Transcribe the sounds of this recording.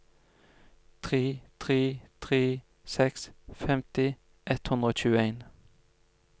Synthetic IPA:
t̪ʰʁeːt̪ʰʁeːt̪ʰʁeː | sɛksfɛmt̪ɪ | ʔɛt̪hʉnd̪ʁəoːc͡çʉːəeɪn

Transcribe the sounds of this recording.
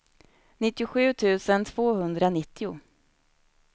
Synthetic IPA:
nɪt̪ːɪʊɧʉ̟ːt̪ʰʉ̟ːsənt̪ʰv̥oːhɵnd̪ɾanɪt̪ːɪʊ

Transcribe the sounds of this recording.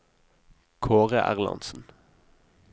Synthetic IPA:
kʰoːʁəʔæ̰ʁlɑ̰nsn̩

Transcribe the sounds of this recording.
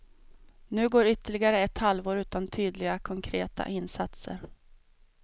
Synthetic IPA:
nʉ̟ːɡoːɾʏt̪ːəɭɪɡaɾəɛt̪halvoːɾʉ̟ːt̪ant̪ʰyːd̪lɪɡakʰɔŋkʰɾḛːt̪a̰ʔɪnːsat̪sə̰ɾ

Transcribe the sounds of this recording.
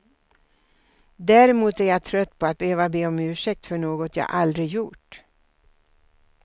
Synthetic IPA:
d̪æɾɪmuːt̪æɾjat̪ʰɾœt̪ːpʰɔat̪̚bəhøːvabeːɔmʉ̟ːʂɛk̚t̪fœɳoːɡɔt̪ja̰ːʔald̪ɾɪjuʈ

